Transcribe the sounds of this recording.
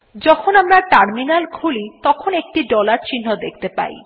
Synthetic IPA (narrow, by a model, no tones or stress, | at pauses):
d͡ʒɔkʰonamɾaʈaɾminalkʰulit̪ɔkʰonek̚ʈiɖɔlaɾt͡ɕin̤ːɔd̪ekʰt̪epa̰j